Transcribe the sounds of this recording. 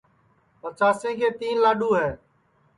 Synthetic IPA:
pət͡ʃaːsẽːkʰeːt̪iːnlaːɗuːɦɛː

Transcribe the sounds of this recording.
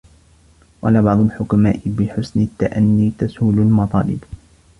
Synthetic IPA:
wʔɑ̰labɑʕd̪ˤʊlħʊkamaːʔɪbɪħʊsnɪt̪ːaʔanːiːt̪ashuːlalmɑt̪ˤɑːlɪb

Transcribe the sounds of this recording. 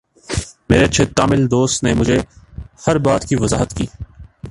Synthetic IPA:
meːɾeɐtːʃʰet̪aːmɪld̪oːst̪nemʊd͡ʒʱehɐɾbaːt̪kiʋɐza̰ːɦət̪kiː

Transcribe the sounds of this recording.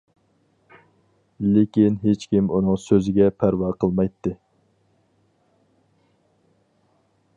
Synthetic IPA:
lɪkʲinɦet͡ʃkʲimunɨŋsøzɪɡʲɛpʰæɾwɑːqʰəlˠmɑjt̪ʰːɨ

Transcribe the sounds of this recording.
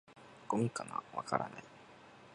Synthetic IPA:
komʲikːana̰βakaɾanai

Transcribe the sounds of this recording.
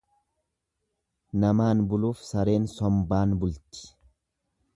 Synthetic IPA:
nɐmaːnbʊluːfsɐɾe̞ːnsɔmbaːnbʊlt̪ɪ̥

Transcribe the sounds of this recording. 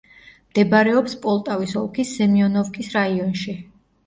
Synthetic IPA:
md̪̥ɛbaɾɛɔpspʼɔlˠt̪ʼavisɔlˠkʰisːɛmiɔnɔfkʰʼisɾaiɔnʃi

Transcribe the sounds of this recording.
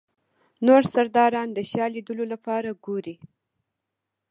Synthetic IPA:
noɾsaɾd̪ɑɾɑnd̪əʃjɑlid̪əlolapɑɾaɡoɾi

